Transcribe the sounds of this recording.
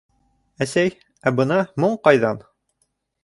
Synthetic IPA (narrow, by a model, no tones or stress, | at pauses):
æsæj | æbɤ̆nɑmoɴqɑjðɑn